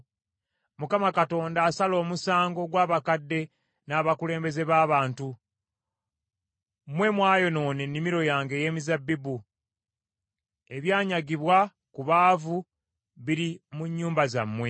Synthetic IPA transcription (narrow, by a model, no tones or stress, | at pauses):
mukamakato̞ːndaːsalo̞ːmusaːŋɡo̞ɡwaːβakadːe̞ | naːβakule̞ːmbe̞ze̞βaːβaːntu | mwe̞mwaːjo̞no̞ːnenːimiɾo̞jaːŋɡeje̞ːmizabːibu | e̞βjaːɲaɡiβwa | kuβaːvu | βiɾimuɲːuːmbazamːwe̞